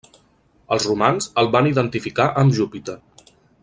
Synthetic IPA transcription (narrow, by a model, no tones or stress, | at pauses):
əlˠzrumanzəlˠβaniðənt̪ifikaʔəmʒupit̪ə